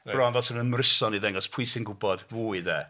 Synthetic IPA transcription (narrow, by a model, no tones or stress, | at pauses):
b̥rɔnðɔsənənmrɪsɔniðɛŋɔspʰujsɪnɡʊbɔd̥vuːiðɛː